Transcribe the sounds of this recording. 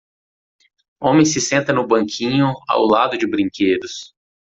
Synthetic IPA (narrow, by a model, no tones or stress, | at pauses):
õmẽj̃sɪsẽnt̪ɐnʊbɐ̃kʰĩɲʊa̰wlad̪ʊd͡ʒɪbɾĩŋked̪ʊs